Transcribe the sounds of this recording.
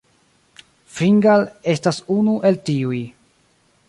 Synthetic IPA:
fɾiŋɡale̞stasunuʔe̞ltiuj

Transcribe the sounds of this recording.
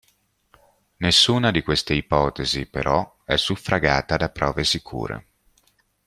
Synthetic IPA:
nesːuːnad̪ikwest̪eipɔːt̪ezipeɾɔ | ɛsːufːɾaɡaːt̪ad̪apːɾɔːvesikʰṵːɾḛ

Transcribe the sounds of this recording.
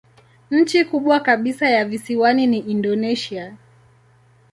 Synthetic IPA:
ɲ̩t͡ʃikuɓwakaɓisajavisiwaniniʔindɔnɛʃia

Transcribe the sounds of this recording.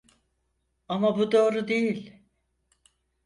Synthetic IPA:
amabud̪o̞ːɾud̪ejilʲ

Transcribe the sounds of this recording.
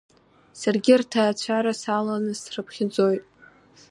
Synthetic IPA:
sarɡʲɪrtʰaːt͡ɕʷʰaɾasalanɨsrɨpʰχʲɪd͡zo̞jtʼ

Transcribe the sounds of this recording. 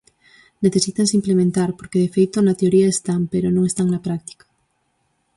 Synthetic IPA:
neθe̞sit̪ans̬implemẽnt̪aɾpoɾkeðefejt̪onat̪eoɾiaest̪ampeɾonõŋest̪aŋnapɾak̚t̪i̥kḁ

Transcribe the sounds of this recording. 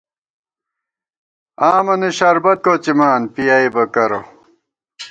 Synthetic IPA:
aːmɐniɕɐɾbɐt̪̚koːt͡ɕimaːnpijaːibɐkɐɾo̰

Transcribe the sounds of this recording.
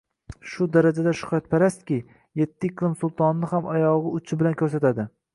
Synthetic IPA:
ʃʊd̪aɾad͡ʒad̪aʃʊ̥χt̪̚pʰaɾast̪kʲɪ | je̞t̪ʰːɪlɪmsʊlˠt̪ʰɒnːɪhamɒjɒʁɨʊt͡ʃʰɪbɪlankʰʲɵɾsat̪ad̪ɪ

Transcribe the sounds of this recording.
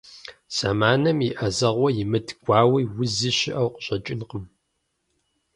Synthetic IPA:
z̥amaːnɐmiʔɐzɐʁʷɔjɪmɨdʰɡʷɑːwiːwʊzɨɕɪʔɐwqɕʼɐt͡ʃʼɪnqəm

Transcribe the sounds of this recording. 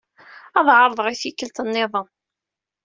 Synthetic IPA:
ɑðˤʕɑɾˤðˤʁiθikəlt̪ənːɪðˤən

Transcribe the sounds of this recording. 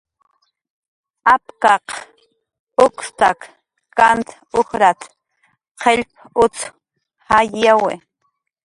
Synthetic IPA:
apkɑq | ʊkst̪ak | kant̪ | ʊxɾat̪ | qʰeʎp̚ | ʊt͡s | hajːawḛ

